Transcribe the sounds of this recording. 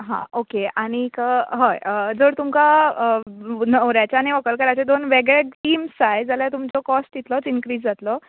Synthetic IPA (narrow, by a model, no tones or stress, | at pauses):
ɦã̰okeaɽ̃ikəɦəjəd͡zəɾt̪umka | nəʋɾjat͡ɕaniʋəkəlkəɾajt͡sed̪onʋeɡɭeiːmsajd͡zaljat̪umt͡sɔkɔsʈit̪lɔt͡sinkɾiːd͡zd͡zat̪lɔ